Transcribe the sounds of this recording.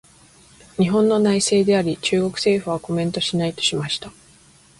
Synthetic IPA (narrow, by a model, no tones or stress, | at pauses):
ɲ̟iɦõ̞nːo̞naise̞ːd̪e̞aɾʲit͡ɕɨːɡo̞kɯ̟̥se̞ːɸɯ̟β̞ako̞mẽ̞nt̪o̞ɕinait̪o̥ɕimaɕi̥t̪a